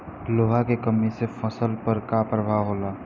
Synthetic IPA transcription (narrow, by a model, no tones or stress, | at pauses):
loːɦakekəmisefʰəsəlpəɾkapɾəbʱaɦoːlaː